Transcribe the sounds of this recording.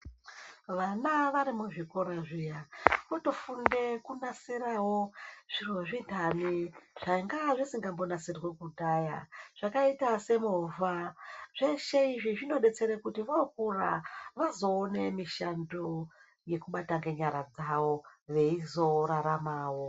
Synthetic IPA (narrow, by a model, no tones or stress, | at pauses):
ʋanaʋaɾimuʐikoɾaʐijaʋoto̞funde̞kunasirawo̞ʐ̥irwoʐindʱaniʐ̥aiŋɡaʐisiŋɡambo̞nasirwe̞kudaja̰ʐ̥akaitase̞movʱaʐeʃe̞iʐiʐino̞ɗe̞t͡se̞ɾekutiʋokuraʋazo̞ːnemiʃando | je̞kuɓataŋɡe̞ɲaɾad͡zawo̞ʋe̞izo̞ɾaɾamaːwo̞